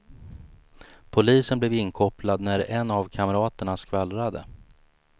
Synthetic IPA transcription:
pʰʊliːsənblɛːvɪnkʰɔplad̪næɾɛnːavkʰaməɾɑːt̪əɳaskvalɾad̪ə̰

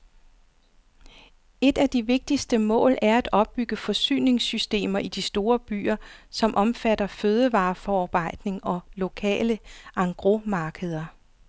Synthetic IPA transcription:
e̝d̥æd̥iʋe̝ɡ̥̚d̥isd̥əmɔ̰̽ːlæɐæd̥ɒ̽b̥̚ːyɡ̥əfɒ̽sy̰ːne̝ŋsysd̥e̝̰ːmɐʔid̥isd̥o̝ːɐb̥y̰ːɐsɒ̽mʔɒ̽mfæd̥ɐføːð̞ˠəʋɑ̈ːfɒɑ̈ːb̥ɑ̈ɪ̰d̥ne̝ŋɒ̽lo̝kʰɛ̰ːləʔɑ̈ŋɡ̥ʁo̝mɑ̈ːɡ̥əð̞ˠɐ

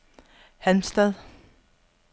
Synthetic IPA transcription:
hænsd̥æðˠ

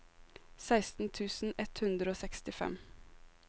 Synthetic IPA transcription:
sæɪst̪n̩t̪ʰʉːsn̩ɛt̪hʉnd̪ɾəoːsɛkst̪ɪfɛ̰m

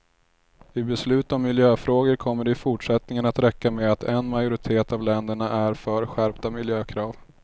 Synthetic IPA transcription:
ɪbɛslʉ̟ːt̪ɔmːɪljøːfɾoːɡəɾkʰɔmːəɖɛɪfʊʈʂɛt̪nɪŋənat̪ɾɛkːameat̪ʰɛnmajʊɾɪt̪ʰeːt̪avlɛnd̪əɳaʔæɾfœɾɧæɾpt̪amɪljøːkʰɾɑːv

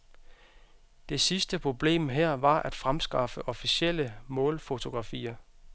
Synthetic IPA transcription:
d̥e̝sisd̥əpʰʁo̝b̥le̝̰ːmɦɛɐ̰ʋɑ̈ʔæd̥fʁamsɡ̥ɑ̈fəʔɒ̽fisiel̰əmɔ̽ːlfo̝t͡sʰo̝ɡ̥ʁɑ̈fḭːɐ

